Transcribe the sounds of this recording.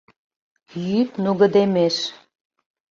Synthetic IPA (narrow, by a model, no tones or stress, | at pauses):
jypnuɣə̆d̪emeʃ